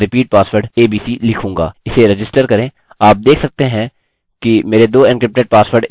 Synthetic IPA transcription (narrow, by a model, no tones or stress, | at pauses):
ɾɪpiːʈ̚paːsʋəɾɖeːbiːsilɪkʰũːŋɡa̰ːɪseɾɪd͡ʒɪsʈəɾkɐɾẽː | aːp̚d̪eːkʰsɐk̚t̪eɦɛ̃ | kimeːɾed̪oːɪnkɾɪp̚ʈeʈ̚paːsʋəɾɖ